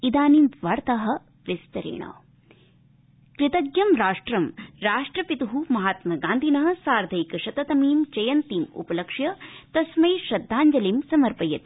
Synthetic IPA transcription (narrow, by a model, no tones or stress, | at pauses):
id̪aːnimʋɐɾt̪ɐɦɐ̆ | ʋɪst̪ɐɾḛːɳɐ̰ː | kɾɪt̪ɐɡjɐmɾaːʂʈɾɐmɾaːʂʈɾɐpit̪uɦumɐɦaːt̪mɐɡãːnd̪ʱinɐɦɐ̆saːɾd̪ʱɐjkɐʃɐt̪ɐt̪ɐmiːmt͡ʃɐjɐnt̪iːmṵpɐlɐkʂjɐt̪ɐsmɐjʃɐd̪ʱːaːɲd͡ʒɐlimsɐmɐɾpɐjɐt̪i